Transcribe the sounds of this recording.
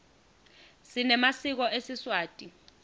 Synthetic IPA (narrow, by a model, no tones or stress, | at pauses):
sinɛmasik̬ɔesiswaːtʼi